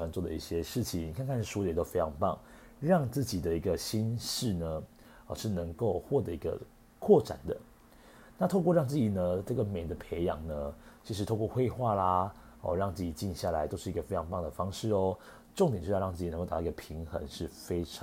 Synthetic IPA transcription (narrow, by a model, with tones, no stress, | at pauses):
wa˧˥nt͡swɔ˥˩d̪ə˩i˥˩ɕjɛ˥ʂɻ̩˥˩t͡ɕʰi˨˩ni˨˩kʰa˥˧nkʰa˥˧nʂ̩˥˩u˧˥˨t̪o˥ʊfe˥ɪʈ͡ʂʰɑ˧˥ŋpɑ˥˩ŋ | ɻɑ˥˧ŋt͡sɹ̩˥˩t͡ɕi˨˩d̪ə˦i˧˥ɡə˧ɕi˥nʂɻ̩˥˩nə˦ | ə˧˩ʂɻ̩˥˩nə˧˦ŋko˥˧ʊxwɔ˥˩t̪ɤ˧˥˩i˧˥ɡə̰˧ | kʰwɔ˥˩ʈ͡ʂa̰˨˩nd̪ə˦ | na˥˩t̪ʰo˥˧ʊkwɔ˥˧ɻɑ˥˧ŋt͡sɹ̩˥˩t͡ɕi˨˩nə˦ʈ͡ʂɤ˥˩ɡə˩me˨˩ɪd̪ə˦pʰe˧˥ɪjɑ̰˧˥ŋnə˦t͡ɕʰi˧˥ʂɻ̩˧˥t̪ʰo˥˧ʊkwɔ˥˧xwe˥˧ɪxwa˥˩la˨˩ | ɔ̰˥˧ɻɑ˥˧ŋt͡sɹ̩˥˩t͡ɕi˨˩t͡ɕi˥˧nɕja˥˩la˧˥ɪt̪o˥ʊʂɻ̩˥˩˧ɡə˧fe˥ɪɑ˧˥ŋpɑ˥˩ŋd̪ə˩fɑ˥ŋʂɻ̩˥˩ɔ˦ | ʈ͡ʂŋ̩˨˩˨jŋt͡sɹ̩˥˩t͡ɕ̪ːɡə˩pʰi˧˦˥ŋxə̰˧˦ŋʂɻ̩˥˩fe˥ɪʈ͡ʂʰ